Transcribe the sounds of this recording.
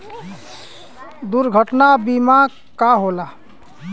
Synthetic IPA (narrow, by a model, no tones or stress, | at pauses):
d̪uɾɡʱəʈnabima | kaɦola